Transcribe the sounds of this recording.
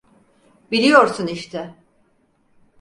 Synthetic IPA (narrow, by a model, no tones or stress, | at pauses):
bilʲijo̞ɾsuniʃt̪ʰɛ